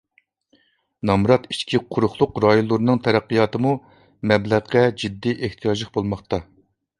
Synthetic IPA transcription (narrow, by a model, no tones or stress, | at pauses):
nɑmɾɑt̪i̥ʃkʲʰiqʰʊɾʊχlˠʊqɾɑjolˠːɨɾɨnɨŋt̪ʰɛɾæqːijɑːt̪ɨmu | mɛblæʁqɛd͡ʒid̪ːiʔeht̪ʰijɑʒlˠəχbolˠmɑχt̪ɑ